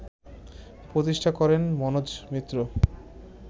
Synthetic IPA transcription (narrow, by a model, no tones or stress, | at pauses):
pɾot̪̬iʃʈʰakɔɾenmɔnod͡ʑmit̪ːɾo